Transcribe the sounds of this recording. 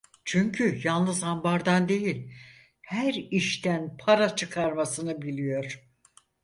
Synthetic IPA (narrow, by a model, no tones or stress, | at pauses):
t͡ʃʰyɲcʰyjalˠnɯzambaɾd̪and̪e̞jilʲ | hæɾiʃt̪ænpʰaɾat͡ʃʰɯkʰaɾmasɯnɯbilʲijo̞ɾ̥